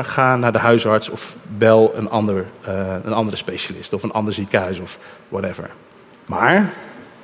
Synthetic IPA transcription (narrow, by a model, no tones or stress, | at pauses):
χaːnːaːɹdəɦœɥsɑɹtsɔ̰fʋɛlˠə̰nɑndəɹənɑndərəspejʃalɪ̰stɔfənʔɑ̰ndəɹzikəɦœɥsɔfwɔtɛvə̰ɹ | ma̰ːɹ